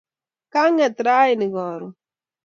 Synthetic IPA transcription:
ka˦ŋɛ˨t̪ɾa˦i˨ni˨ɡɔ˨ɾu˨

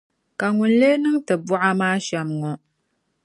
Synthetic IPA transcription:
ka˨ŋʊ˨nle˦nɨ˦ŋtɨ˨bʊ˦ʔa˦maː˦ʃɛ˦mŋɔ˨

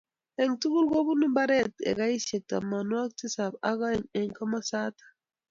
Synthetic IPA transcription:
ɛ˨ŋtu˦ɡu˦lɡo˦bu˦ni˦mba˦ɾɛ˦tɛ̰˨ɡa˦i˦ʃe˨k̚ta̰˨ma˨nwa˦k̚ti˦sa˨ba˦ɣa˦ɛ˨ɲɛ˨ŋka˦ma˦sa˦tḁ˨

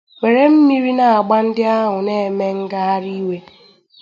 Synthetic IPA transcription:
we˨ɾe˦m̩˦mi˦ɾi˦na˨a˨ɡ͡ba˦n̩˦dɪ˦a˦ɦʊ˨ne˦˨me˦ŋ̩˦ɡa˦a˦ɾi˦we˦

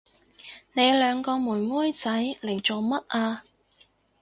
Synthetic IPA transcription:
ne˨˧jlœː˨˧ŋkɔː˧muː˨˩jmuː˥jt͡sɐ˨˥jle˨˩jt͡so˨wmɐ˥t̚ʔaː˧

